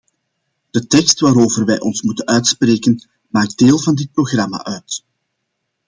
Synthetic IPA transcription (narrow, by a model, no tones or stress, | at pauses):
d̥ətɛkstʋaːɾoːvərʋɛjʔɔnsmutənœɥtspreːkən | maːɡ̚deːlˠvɑndɪt̚proɣrɑma̰ːʔœɥt